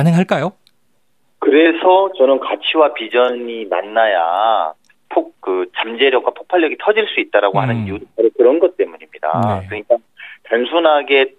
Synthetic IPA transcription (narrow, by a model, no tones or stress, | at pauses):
anɯŋɦaɭk͈ajo | kɯɾe̞sʰʌt͡ɕʌnɯnkat͡ɕʰiwapid͡ʑʌɲima̰nːaja̰ | pʰok̚kɯt͡ɕamd͡ʑe̞ɾjʌk̚wapʰo̥k̚pʰaɭjʌɡitʰʌd͡ʑiɭs͈uit̚t͈aɾaɡohanɯniutʰopʰaɾɯkɯɾʌnɡʌt̚t͈e̞muɲimɲida̰kɯɲik͈a | tansʰunɦaɡe̞